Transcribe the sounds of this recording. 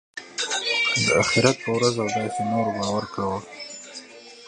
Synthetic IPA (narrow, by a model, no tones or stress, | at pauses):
d̪əaxɪɾat̪̚pəwɾazawd̪ɑjsenoɾbɑwaɾkawə